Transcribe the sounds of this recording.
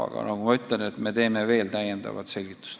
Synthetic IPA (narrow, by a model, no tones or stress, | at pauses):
ɑ̰ɡ̥ɑ̰nʔɑɡ̥umɑyt̪ˑlenet̪me̞t̪e̞ːme̞ve̞ːlt̪æjend̪̥ɑ̰vɑ̰t̪se̞lʲɡ̥it̪ːˑu̥st̪